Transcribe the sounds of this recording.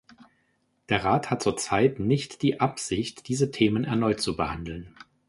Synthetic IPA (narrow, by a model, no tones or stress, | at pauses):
d̥eːɐʁaːthat̚t͡suːɐt͡saɪtnɪçtd̥iːʔapz̥ɪçtd̥iːzətʰeːmənɛɐnɔʏtt͡subəhandl̩n